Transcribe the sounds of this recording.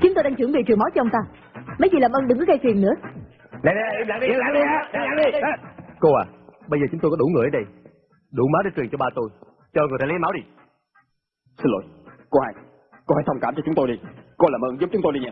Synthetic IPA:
t͡ɕʊ˨˦ŋ͡mt̪o˧jɗa˧ŋt͡ɕɨ˧˩əŋvḭ˨˩t͡ɕɨ˨˩əŋma˨˦wt͡ɕɔ˧ŋ͡mt̪aː˧ | mə˨˦jzi˨˩laː˨˩mʔəː˧nɗɨ˨˩ŋkɨ˨˦˥ɣa˧jt̪wi˨˩ənɨ̰˧˥ə | na˨n˧˨˧laː˨˩ŋɗlaː˧˦ɗi˧a˨˦˨laː˧˦ɗi˧˦ko˧aː˨˩ɓə˧jzəː˨˩t͡ɕʊ˨˦ŋ͡mt̪o˧kɔ˨˥ɗu˧˩ŋ˨˩ʔə˨˦ɗə˧j | ɗu˧˩maː˨˦wɗe˨˧˦t͡ɕwi˨˩ŋt͡ɕɔ˧ɓaː˧t̪o˧j | t͡ɕɔ˧ŋɨ˨˩t̪ʰːljmaː˨˦wɗi˧ | sɨ˧nlo̰˧˩˦jko˧˦haː˧j | ko˧˦haː˧˦jt̪ʰwŋ͡mkaː˧˩mt͡ɕɔ˧t͡ɕʊ˨˦ŋ͡mt̪o˧jɗi˧ko˧laː˨˩mʔəː˧nzu˦˥p̚t͡ɕʊ˨˦ŋ͡mt̪o˧jɗi˧ɲɛ˧˩

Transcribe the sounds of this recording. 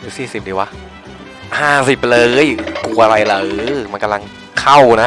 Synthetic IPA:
lɯː˨˦siː˨˩si˨˩p̚diː˨˩wa˦˥ | haː˥˩si˨˩p̚lɤː˧˦˥jku˧ʔa˧ɾa˧jla˨˩˦ma˧nka˧mla˧ŋ | kʰa˥˩wna˦˥

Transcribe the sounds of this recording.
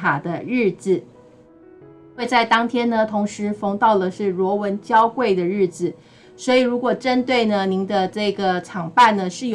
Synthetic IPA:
a˨˩d̪ə˦ɻɻ̩˥˩d͡zɹ̩˨˩ | xwe˥˧ɪt͡sa˥˩ɪt̪ɑ˥ŋt̪ʰjɛ˥nnə˨t̪ʰʊ˧˥ŋʂɻ̩˧˥fɤ˧˥ŋt̪ɑ˥˩ʊlə˩ʂɻ̩˥˩lwɔ˧˥wə˧˥nt͡ɕjɑ˥ʊkwe˥˩ɪd̪ə˩ɻɻ̩˥˩d͡zɹ̩˨˩ | swɔ˧˥i˨˩ɻu˧˥kwɔ˨˩ʈ͡ʂə˥nt̪we˥˩ɪnə˩ni˧˥ŋd̪ə˧ʈ͡ʂɤ˥˩ɡə˩ʈ͡ʂʰɑ˨˩ŋpa˥˩nnə˩ʂɻ̩˥˩jo˩

